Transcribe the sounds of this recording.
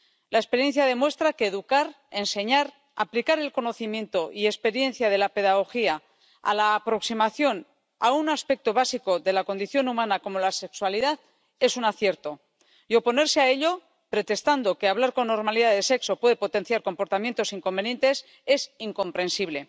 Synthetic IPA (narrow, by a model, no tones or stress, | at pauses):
laespe̞ɾje̞n̟θjaðe̞mwe̞st̪ɾake̞ːðukaɾ | e̞nse̞ɲaɾ | a̰plikaɾe̞lko̞no̞θimje̞nt̪o̞ʔie̞spe̞ɾje̞nθjaðe̞lape̞ðaɣ̞o̞xia | a̰laːpɾo̞ksimaθjo̞n | a̰unaspe̞k̚t̪o̞β̞asiko̞ðe̞lako̞nd̪iθjo̞numãnako̞mo̞lase̞kswaliðað | e̞sunaθje̞ɾt̪o̞ | jo̞po̞ne̞ɾseae̞ʎo̞ | pɾe̞t̪e̞st̪and̪o̞keaβlaɾko̞nːo̞ɾmaliðaðe̞se̞kso̞pweðe̞po̞t̪e̞n̟θjaɾko̞mpo̞ɾt̪amje̞nt̪o̞siŋko̞mbe̞nje̞nt̪e̞s | e̞siŋko̞mpɾe̞nsiβle̞